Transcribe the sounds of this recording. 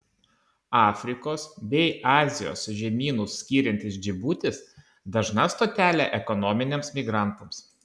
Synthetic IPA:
ɑːfʲɾʲɪkoːsbʲɛɪɑːzʲɪjo̰ːsʊʒʲɛmʲiːnʊsːʲkʲiːɾʲɛnʲt̪ʲɪsd͡ʒʲɪbuːt̪ʲɪs | d̪ɐʒnɐst̪oːt̪ʲæːlʲæʔɛkɔnɔːmʲɪnʲeːmsmʲɪɡɾɑˑnˑt̪ɐms

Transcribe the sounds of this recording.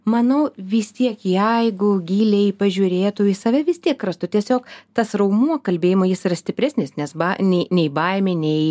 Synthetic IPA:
mɐnɐʊʋʲɪst̪ʲiɛkjɛɪɡʊɡʲiːlʲɛjpɐʒʲʊɾʲeːt̪ʊɪsɐʋʲɛʋʲɪst̪ʲiɛkkːɾɐst̪ʊt̪ʲiɛsʲoːkt̪ɐsrɐʊmuɔkɐlʲbʲeːjɪmɐjɪsiɾɐsʲt̪ʲɪpʲɾʲæsʲnʲɪsnʲɛsbɐnʲɛɪnʲɛɪbɐɪmʲenʲɛɪ

